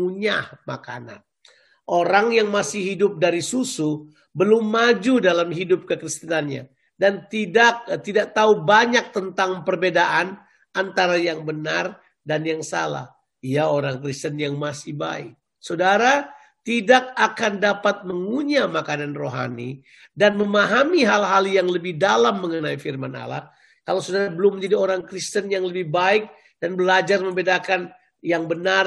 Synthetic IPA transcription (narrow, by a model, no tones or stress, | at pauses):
uɲahma̰ka̰na̰n | ʔoɾaŋjaŋmasɪɦidʊp̚daɾisusu | bəlʊmːad͡ʒudalamɦidʊp̚kəkɾist̪inanɲa̰ | dant̪idak̚t̪idaʔ̚t̪aubaɲak̚t̪ənt̪aŋpərbedaʔan | ant̪aɾajaŋbənar | danjaŋsa̰la̰h | ijaoɾaŋkɾist̪ənjaŋmasɪhba̰ɪ̰k̚ | sodaɾa | t̪idak̚akandapat̪̚məŋuɲamakananroɦa̰nḭ | danməmaɦamiɦalɦaljaŋləbɪhdalamːəŋənaifirmana̰la̰h | kalasodaɾabəlʊmːəɲd͡ʒadioɾaŋkɾist̪ənjaŋləbɪhbaɪk̚ | danbəlad͡ʒarməmbedakan | jaŋbənar